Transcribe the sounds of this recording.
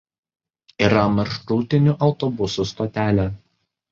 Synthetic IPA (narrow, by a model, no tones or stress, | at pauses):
iɾɐmɐɾʃɾuːt̪ʲɪnʲʊʔɐʊt̪ɔbʊsuˑst̪ɔt̪ʲæːlʲɛ